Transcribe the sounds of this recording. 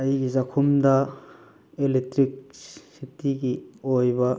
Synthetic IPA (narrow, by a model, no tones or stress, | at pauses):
ɐjɡizakʰumdɐ | elek̚tɾik̚sitiɡiojbɐ